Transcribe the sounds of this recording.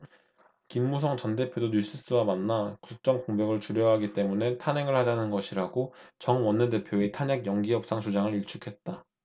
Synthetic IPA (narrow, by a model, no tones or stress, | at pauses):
kinmusʰʌŋt͡ɕʌnde̞pʰjodoɲjus͈ʰɯs͈ɯwamanːakuk̚t͡ɕ͈ʌŋkoŋbjʌɡɯɭt͡ɕuɾjʌɦaɡit͈e̞mune̞tʰane̞ŋɯɭhad͡ʑanɯnɡʌɕʰiɾaɡot͡ɕʌŋwʌnːɯde̞pʰjoetʰaɲaɡjʌŋɡiɦʌp̚s͈aŋt͡ɕʰud͡ʑaŋɯɭiɭt͡ɕʰukʰe̞t̚t͈a